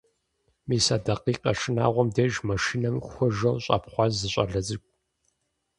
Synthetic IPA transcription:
miːsaːdɐqiːqɐʂʰɪna̰ːʁʷɔmdeːʒmɐʃinɐmxʷʊʒɐwɕʼɑ̰pχʷɑzzɨɕʼɐ̰ɮɐzɨkʷʼ

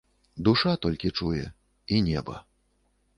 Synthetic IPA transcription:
d̪uʂat̪ɔlʲkʲit͡ʂujɛ̰ | inʲɛbɐ̰

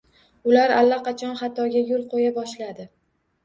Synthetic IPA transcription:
ʊlaɾalːaqʰɑt͡ʃʰɒnχɑt̪ʰɒɡʲajʊlˠqʰojabɒʃlad̪ɪ

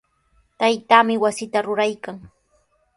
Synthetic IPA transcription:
t̪ajt̪aːmɪwasɪt̪aɾʊɾajkaŋ

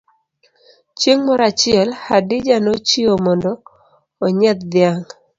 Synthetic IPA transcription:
t͡ʃeŋmɔɾat͡ʃɪɛlhadɪd͡ʒanot͡ʃiomɔndɔː | ɲɛt̪d̪ɪjaŋ

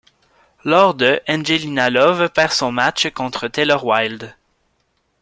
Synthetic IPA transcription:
lɔʁd̪əʔɛ̃nʒelinalɔvpɛʁsɔ̃mat͡ʃkɔ̃t̪χət̪elœʁwajld̪

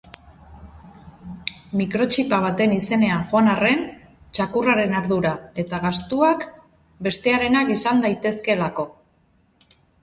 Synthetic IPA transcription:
mikɾo̞t͡ʃipaβ̞at̪e̞nise̞ne̞anʝoanare̞n | t͡ʃakuraɾe̞naɾðuɾae̞t̪aɣast̪uak | be̞st̪e̞aɾe̞nakisand̪ajt̪e̞ske̞lako̞

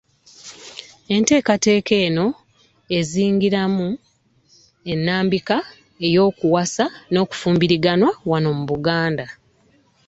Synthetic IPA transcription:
e̞nte̞ːkate̞ːke̞ːno̞ | e̞ziːŋɡiɾamu | e̞nːaːmbika | e̞jo̞ːkuwasano̞ːku̥fuːmbiɾiɡanwawano̞muβuɡaːnda

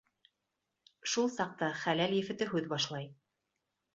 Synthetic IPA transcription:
ʃulˠsɑq̚t̪ɑχælæljɘ̆fɘ̆t̪ɘɦʉðbɑʃlˠɑj

